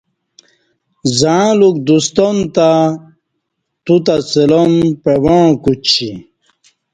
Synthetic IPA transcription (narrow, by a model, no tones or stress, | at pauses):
zaãluk̚d̪ust̪ont̪a | t̪ut̪at͡selonpewoɻ̃kut͡ɕʰi